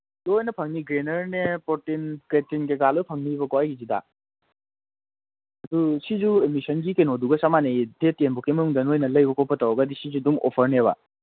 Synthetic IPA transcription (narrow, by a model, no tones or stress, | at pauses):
dojnɐpʰɐŋniɡɾenɐɾnepɔtinketinɡeɡalɔjpʰɐŋnibɐkɔajɡizida̰ | ɐdusizuemisɐnɡikenɔduɡɐsamanejdetenbɔkemɐnuŋdɐnojnɐlɐjbɔkɔpɐtawɡadisizudumɔ̰pʰɐɾneβa̰